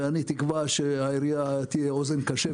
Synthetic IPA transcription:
anit̪ikvaʃeaiɾijat̪ijeozenkaʃe

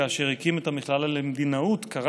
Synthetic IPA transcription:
aːʃeʁikimet̪amiχlalalemd̪inaut̪kaʁa

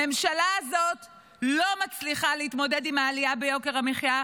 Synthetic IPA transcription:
me̞mʃalazo̞t | lo̞mat͡sliχaleit̪mo̞de̞dimaːlijabejo̞ke̞ʁamiχja

